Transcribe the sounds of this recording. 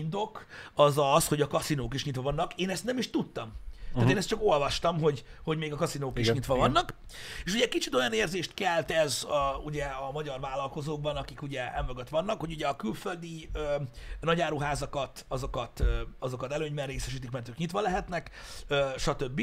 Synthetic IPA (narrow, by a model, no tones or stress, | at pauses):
ind̪o̞kɒzɒsho̞ɟɒkɒsinoːkiʃɲit̪ʋɒvɒnːɒkeːnɛst̪nɛmiʃt̪ut̪ːɒmaːt̪eːnɛs̚t͡ʃɒko̞lvɒʃt̪ɒmɦo̞ɟho̞ɟmeːɡɒkɒsinoːkiʃɲit̪ʋɒvɒnːɒk | eːʃuɟɛkit͡ʃit̪o̞jɒneːrzeːʃt̪kɛlt̪ɛzɒuɟɛɒmɒɟɒrvaːlːɒlko̞zoːɡ̚bɒnɒkikuɟɛɛmvoɡɒt̪ʋɒnːɒkho̞ɟuɟɛɒkylfø̞ld̪iøːnɒɟaːɾuɦaːzɒkɒt̪ɒzo̞kɒt̪ːɒzo̞kɒt̪ɛløːɲbɛnreːsɛʃiːt̪̬ikmɛrt̪øːkɲit̪vʋɒlɛɦɛt̪nɛkøːʃɒt̪ø̞bːi